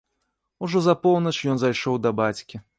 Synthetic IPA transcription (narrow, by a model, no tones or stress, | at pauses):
uʐɔzɐpɔwnɐt͡ʂjɔnzajʂɔwd̪ɐbat͡sʲkʲi